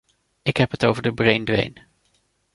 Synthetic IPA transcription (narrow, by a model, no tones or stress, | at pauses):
ɪkɦɛpɦətowvəɹdəbrejndʋḛjn